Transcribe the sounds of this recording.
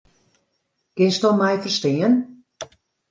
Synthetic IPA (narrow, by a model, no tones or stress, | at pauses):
ɡ̥ɪnstɔmɛjfərstɪən